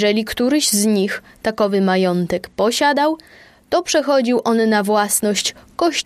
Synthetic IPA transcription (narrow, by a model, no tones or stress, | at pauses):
ʐɛlʲikt̪uɾɘʑzɲix | t̪akɔvɘmajɔnt̪ɛkpɔɕad̪aw | t̪ɔpʂɛxɔd͡ʑiwʔɔnːavwasnɔɕt͡ɕkɔɕ